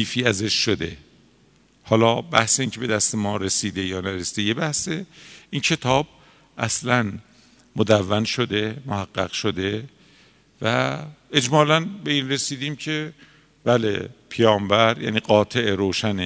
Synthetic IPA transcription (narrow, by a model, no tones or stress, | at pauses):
iːfiːæzeʃːod̪e̞̰ | hɒːlɒːbæhseiːncʰe̞be̞d̪æst̪emɒːɾe̞siːd̪e̞jɒːnæɾesi̥ːd̪ejebæhseincʰe̞t̪ʰɒːb̥̚ | ʔæslæn | mod̪ævːænʃo̞d̪e̞mohæɡːæ̰ɣ̥ʃod̪e̞ | væed͡ʒmɒːlænbe̞iːnre̞siːd̪iːmcʰe̞ | b̥æːlḛpʰejɒːmbæɾjæ̰ːniːɡɒːt̪ʰeʔeɾoːʃæne